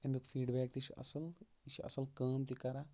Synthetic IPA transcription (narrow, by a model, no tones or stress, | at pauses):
ɐnbikfʰiːɖbɛːk̚t̪iʃʰiʔɐ̰sɐl | iʃʰiʔɐ̰sɐlkəːmt̪ikɐɾa